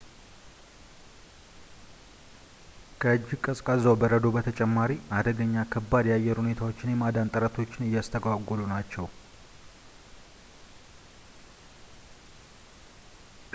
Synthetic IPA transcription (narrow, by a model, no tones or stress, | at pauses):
kʰəɨd͡ʒːɪɡkʼəsʼkʼəzəwbəɾəd̪o̞bət̪ʰət͡ʃʼɛmːaɾiad̪əɡəɲːakʰəbːad̪jajːɛɾhune̞t̪ʰawo̞t͡ʃːɪnjɛmad̪ant̪ʼəɾət̪ʰo̞t͡ʃːɪnɨjːast̪ʰəɡaɡolunat͡ʃːɛw